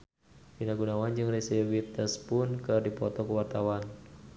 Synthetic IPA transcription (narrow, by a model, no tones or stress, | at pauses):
finaɡunawand͡ʒɨŋresiwit̪əspʊnkɨrdipɔt̪ɔkəwart̪awan